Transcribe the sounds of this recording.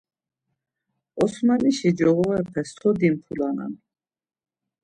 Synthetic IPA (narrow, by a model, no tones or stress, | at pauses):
ɔsmaniʃid͡ʒɔɣɔɛpʰɛst̪ʰɔd̪impʰulana̰n